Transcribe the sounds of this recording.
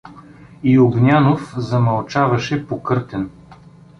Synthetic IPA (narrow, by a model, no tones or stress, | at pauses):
ioɡnʲanofzɐmɐlˠt͡ʃavɐʃɛpokɤɾt̪ɛn